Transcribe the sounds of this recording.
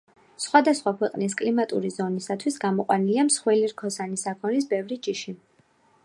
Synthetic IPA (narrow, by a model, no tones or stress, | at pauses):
sχwad̪asχwakʰwɛqʼnis̬kʼlimat̪ʼṵɾizɔnisat̪ʰwisɡamɔqʼwaniliamsχwɛliɾkʰɔsanisakʰɔɛɾisbɛvɾid͡ʒiʃi